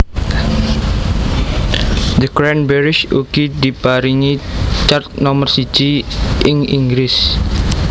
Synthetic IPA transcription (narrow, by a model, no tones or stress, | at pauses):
d̪əɡɾanbɛɾɪʃukid̪ib̥aɾiŋit͡ʃart̪̚nɔmərsi̥d͡ʒ̥iʔɪŋḭŋɡɾɪs